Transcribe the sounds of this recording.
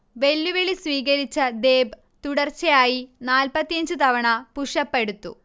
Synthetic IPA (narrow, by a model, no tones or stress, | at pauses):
ʋe̞lːuʋeɭisʋiːɡɐɾit͡ɕːɐd̪eːb | t̪uɽɐrt͡ɕːɐjaːjinaːlpɐt̪ːijɐɲd͡ʑɨt̪ɐʋɐɳɐpuʂɐpːe̞ɽut̪ːṵ